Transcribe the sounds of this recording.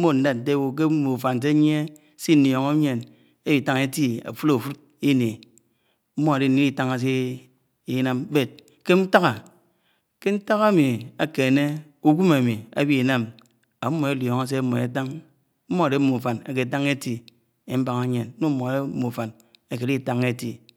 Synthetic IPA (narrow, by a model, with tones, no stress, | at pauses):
mo˦n̩˦da˦˨n̩˨te˦wo˨k̬e˦mu˨fa˨n˨s̬e˦ɲi˦e˦ | si˦n̩˦njo˨ŋo˦ɲe˨n | e˦bi˨˦ta˦ŋe˦ti˦a̰˨fu˦lo˨fu˦ | i˦ne˨ | m̩˦mo˦a˨de˦n̩˨ni˦i˦ta˦ŋa˨s̬e˦ | i˦na˦m˦be˦˨t̚ | ke˦n̩˦ta˦ɣa˨ | ke˦n̩˦ta˦ɣa˦mi˨a˨ke˨ne˦ | u˦ɡu˦ma˨mi˨a̰˦bi˦˨na˦m | a˨˦mːo˨e˨˦ljɔ˨ŋa˦s̬e˦mɔ˨e˨ta˦ŋ | m̩˦mo˦a˨de˦mu˨fa˨na̰˨k̬e˨ta˦ŋe˦ti˨ | e˨m̩˦ba˦ŋa˦ɲe˨n˦no˦mo˨a˨de˦mu˨fa˨n | a˨ke˨˦i˦˨ta˦ŋe˦ti˨